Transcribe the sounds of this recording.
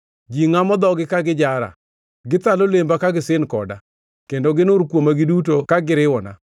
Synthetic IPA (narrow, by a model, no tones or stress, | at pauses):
d͡ʒiŋamɔd̪ɔɡɪkaɡɪd͡ʒaɾa̰ | ɡɪt̪alolembakaɡɪsɪnkɔda̰ | kendoɡɪnʊɾkwomaɡɪdutokaɡɪɾɪwɔna̰